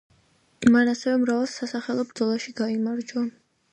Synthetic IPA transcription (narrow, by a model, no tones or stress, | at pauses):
manasɛvɛmɾavɛlˠsasaχɛlˠɔbɾd̪zɔlˠaʃiɡaimaɾd͡ʒa